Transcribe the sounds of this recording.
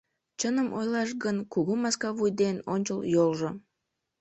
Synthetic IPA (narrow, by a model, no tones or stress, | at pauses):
t͡ɕənəmʔojlˠɑʃɡənkuɣumɑskɑβujd̪eno̰nʲt͡ɕəlˠjolʒo